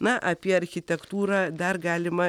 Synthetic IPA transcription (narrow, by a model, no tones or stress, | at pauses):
nɐʔɐpʲiɛɐɾʲxʲɪt̪ʲɛkt̪uːɾɑːd̪ɐrɡɑːlʲɪmɐ